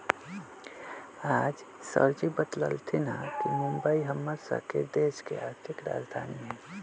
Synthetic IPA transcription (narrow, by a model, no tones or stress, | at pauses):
aːd͡ʒ | sə̰ɾd͡ʒibət̪lə̰lt̪ʰinakimũmbəiɦəmːəɾsə̰ɦked̪eːʃkeaːɾt̪ʰɪkɾa̰ːd͡ʒd̪ʱaːniɦɛ̃ː